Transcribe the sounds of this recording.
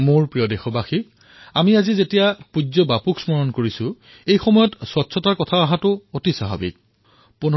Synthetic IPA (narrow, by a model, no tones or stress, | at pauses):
mʊɹpɹiɔdexɔbaxi | amiazizetijapud͡ʑɔbapuksmɔɹɔnkoɹisʊ̃ | ejxɔmɔjɔtswɔtsʰɔtaɹkɔtʰaaɦatʊotisaɦa̰bḭk̚ | punɔ